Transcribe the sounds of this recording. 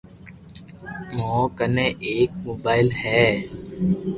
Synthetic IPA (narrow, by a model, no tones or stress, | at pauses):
mõːkənẽːʔeːk̚moːbaːɪlhɛː